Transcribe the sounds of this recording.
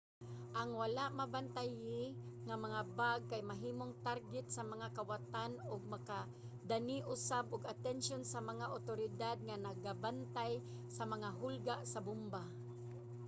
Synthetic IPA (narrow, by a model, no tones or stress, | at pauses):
ʔaŋwalaʔmabant̪ajɪŋamaŋabaɡ̚kajmaɦiːmoŋt̪aɾɡɪt̪̚samaŋakawat̪anʊɡ̚maka | d̪aniʔʊsabʊɡat̪ɛnʃonsamaŋaʔʊt̪oɾɪd̪ad̪̚ŋanaɡabant̪aj | samaŋaɦʊlɡaʔsabʊmba